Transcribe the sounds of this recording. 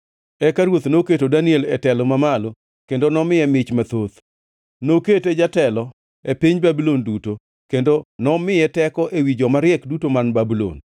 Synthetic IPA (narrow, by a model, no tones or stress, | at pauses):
ɛkaɾwot̪noketodanɪɛlɛtɛlɔmamalo | kendonɔmɪɛmɪt͡ʃmat̪ot̪ | noketed͡ʒatɛlɔ | epiɲbabilonduto | kendonɔmɪjɛtɛkɔʔewid͡ʒɔmaɾɪɛkdutomanbabilo̰n